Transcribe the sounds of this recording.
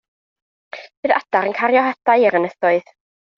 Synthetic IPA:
vɨða̰d̥aɾənkʰaɾjɔɦadaɨɪɾənəθɔɨð

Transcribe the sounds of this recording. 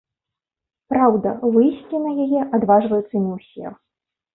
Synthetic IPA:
pɾawd̪ɐvɨjsʲt͡sʲinɐjajɛʔad̪vaʐvɐjut̪sːɐnʲɛwsʲɛ̰

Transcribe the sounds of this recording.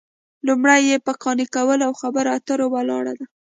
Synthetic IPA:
lumɽajːepəkɑnikawəlawxabəɾat̪əɾowalɑ̰ɽa̰d̪a

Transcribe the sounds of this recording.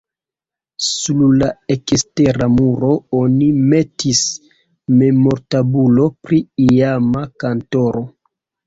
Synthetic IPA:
sullaekiste̞ɾamuɾo̞onime̞tis | me̞mo̞ɾtabulo̞pɾiiamakanto̞ɾo̞

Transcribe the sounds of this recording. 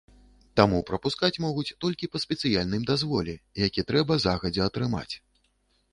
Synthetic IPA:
t̪amupɾɐpuskat͡sʲmɔɣut͡sʲt̪ɔlʲkʲipɐsʲpʲɛt̪sɨjalʲnɨjmd̪azvɔlʲɛjakʲit̪ɾɛbɐzaɣɐd͡zʲɛɐt̪ɾɨma̰t͡sʲ

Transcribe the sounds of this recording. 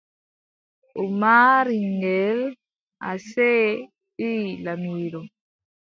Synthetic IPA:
umaɾiŋɡɛl | a̰sɛ | ilanwiɾo

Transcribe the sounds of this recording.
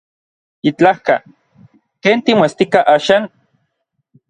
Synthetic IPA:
it͡ɬahka̰ | keːnt̪imoest̪ikaʔaːʃaːn

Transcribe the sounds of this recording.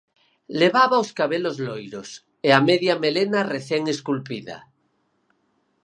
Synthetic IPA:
leβaβaoskaβelozlojɾos | eameðjamelenareθeŋeskulpiða̰

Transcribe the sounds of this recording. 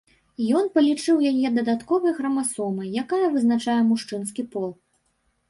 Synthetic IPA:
jɔnpɐlʲit͡ʂɨwjajɛd̪ɐd̪at̪kɔvɐjɣɾɐmasɔmɨjakajɐvɨznat͡ʂajɛmuʂt͡ʂɨn̪skʲipɔlˠ

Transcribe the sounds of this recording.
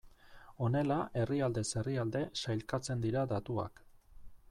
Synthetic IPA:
o̞ne̞laʔe̞riald̪e̞se̞riald̪e̞sajlkat͡se̞nd̪iɾad̪at̪ua̰k

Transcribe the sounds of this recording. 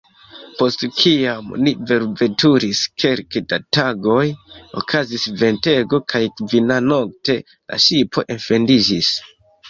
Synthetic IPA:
po̞stkʰiamnive̞ɾve̞tuɾiskʰe̞lkedataɡo̞jo̰kʰazisve̞nte̞ɡo̞kʰajkvinano̞k̚te̞ | la̰ʃipo̞̰ʔenfe̞ndid͡ʒis

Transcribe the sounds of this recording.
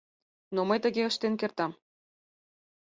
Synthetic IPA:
noməjt̪ə̆ɣeəʃt̪enkert̪ɑm

